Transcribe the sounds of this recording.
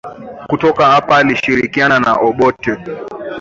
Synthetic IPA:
kutɔkahapaːliʃiɾikianana̰ʔɔɓɔtɛ

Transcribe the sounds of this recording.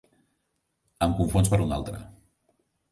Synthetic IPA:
əmkuɱfonspəɾuna̰lˠt̪ɾə̰

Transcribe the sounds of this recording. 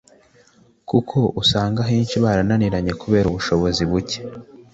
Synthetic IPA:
kukʰo̞ʔusaːŋɡaɦiːnt͡ʃiβaːɾananiɾaɲe̞kuβe̞ːɾuβuʃo̞βo̞ziβuce̥

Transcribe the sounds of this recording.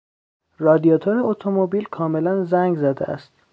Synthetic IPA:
rɒːd̪ijɒːt̪ʰoɾeot̪ʰomobiːlkʰɒːme̞lænzæŋɡzæd̪ḛʔæ̰st̪

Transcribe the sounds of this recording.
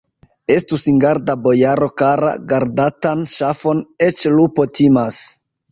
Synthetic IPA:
e̞stusiŋɡaɾdabo̞jaɾo̞kaɾa̰ɡaɾdatanʃafo̞ne̞t͡ʃlupo̞tʰimas

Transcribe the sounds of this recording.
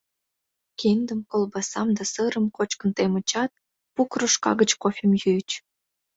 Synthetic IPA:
kend̪əmkolbɑsɑmd̪ɑsɤɾəmkot͡ɕkənt̪emət͡ɕɑt̪̚ | pukroʃkɑ̰ɣət͡ɕkofʲemjyjt͡ɕ

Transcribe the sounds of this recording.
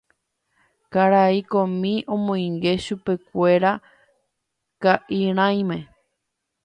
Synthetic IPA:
kaɾaikõmĩʔõ̞mõj̃ŋɡe̞ʃupe̞kʷe̞ɾa | kaʔiɾ̃ãj̃mẽ̞

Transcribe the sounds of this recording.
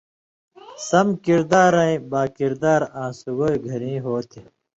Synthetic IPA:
sɐmkiɾd̪aːɾɐ̃ĩbaːkiɾd̪aːɾãːsuɡoːɡʱɐɾĩːɦoːt̪ʰi

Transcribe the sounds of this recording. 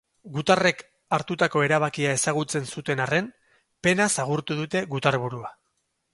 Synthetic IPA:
ɡut̪are̞k | aɾt̪ut̪ako̞e̞ɾaβakiae̞saɣut͡se̞nsut̪e̞nare̞n | pe̞nasaɣuɾt̪uðut̪e̞ɣut̪aɾβuɾua

